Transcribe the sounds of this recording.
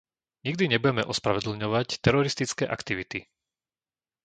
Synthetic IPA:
ɲiɡd̪iɲɛbujɛmɛʔɔspɾaʋɛd̪l̩ɲɔʋact̪ɛɾɔɾist̪it͡skɛːʔa̰kt̪iʋit̪i

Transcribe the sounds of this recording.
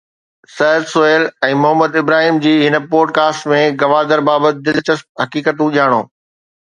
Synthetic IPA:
sɐɦɾsoeːlɛ̃ːmʊɦəmːəd̪ɪbɾaːɦiːmd͡ʑiːɦɪnə̆poːɖ̚kaːsʈmẽɡɐʋaːd̪əɾbaːbət̪̚ɪd̪ɪlt͡ɕəs̚ɦɐkiːkət̪ũʄiaːɽ̃o̰ː

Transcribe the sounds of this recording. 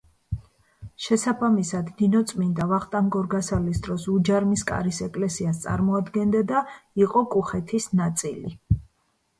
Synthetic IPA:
ʃɛsabamisad̪ninɔt̪sʼmind̪avaχt̪ʼaŋɡɔɾɡasalisd̪ɾɔsud͡ʒaɾmiskʼa̰ɾisɛkʼlɛsiast̪sʼa̰ɾmɔad̪ɡɛnd̪ad̪aiqʼɔkʼuχɛt̪ʰisnat̪sʼili

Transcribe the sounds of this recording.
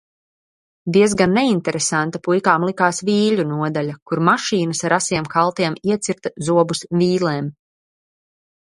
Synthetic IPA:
d̪iɛzɡanːeint̪ɛɾesant̪apujkaːmlˠikaːsviːʎunuɔd̪alʲakuɾmaʃiːnɐsaɾasiɛmkalˠt̪iɛmiɛt̪siɾt̪zuɔbusviːlˠeːm

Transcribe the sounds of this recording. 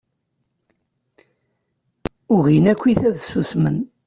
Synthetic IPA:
ʊʁinækʷːiθæðsusmən

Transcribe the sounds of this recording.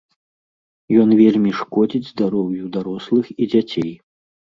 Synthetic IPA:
jɔnvʲelʲmʲiʂkɔd͡zʲid͡zʲzd̪aɾɔwjud̪aɾɔslˠɨxid͡zʲat͡sʲej

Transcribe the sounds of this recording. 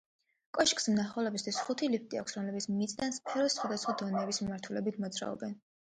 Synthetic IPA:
kʼɔʃkʼsmnaχɔlɛbist̪ʰwisχut̪ʰilip̚ʰt̪ʼia̰kʷʰsɾɔmlɛbit̪sʰmit̪sʼd̪anspʰɛɾɔsːχwad̪asχwad̪ɔnɛːbismimaɾt̪ʰulɛbit̪ʰmɔd̪zɾa̰ɔ̰bɛn

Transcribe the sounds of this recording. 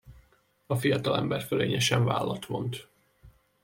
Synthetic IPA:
ɒfijɒt̪ɒlɛmbɛrføleːɲɛʃɛɱva̰ːlːɒt̪ʋo̞nt̪

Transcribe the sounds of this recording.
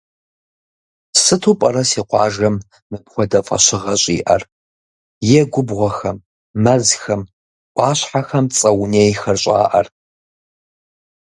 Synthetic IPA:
sɨtʰuːpʼɐɾɐsiːqʷɑːʒɐmː | ɨpxʷɔdɐfʼɐ̰ɕɪʁɐɕʼḭːʔɐr | jɛɡʷʊbʁʷɔxɐmː | ɐzxɐm | kʷʼɑːɕħaxɐmt͡sʼɐwneːjxɐrɕʼɑ̰ːʔɐ̰r

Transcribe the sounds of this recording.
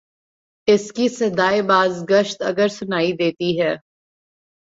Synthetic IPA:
ɪskisɐd̪aːebaːzɡəʃt̪ɐɡəɾsʊnaːid̪eːt̪iɦɛː

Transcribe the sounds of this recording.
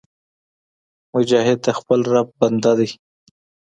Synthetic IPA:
mʊd͡ʒɑɦɪd̪̚t̪axpəlɾab̚band̪ad̪i

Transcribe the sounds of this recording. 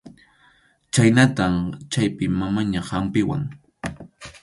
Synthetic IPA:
t͡ʃajnat̪amt͡ʃajpɪmamaɲahampɪwa̰ŋ

